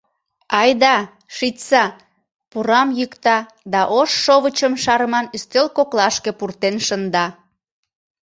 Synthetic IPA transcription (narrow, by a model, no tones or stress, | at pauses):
ɑjd̪ɑ | ʃitsɑ | puɾɑmjykt̪ɑ | d̪ɑʔoʃːoβət͡ɕəmʃɑɾəmɑnyst̪ølkoklɑʃkepurt̪enʃənd̪ɑ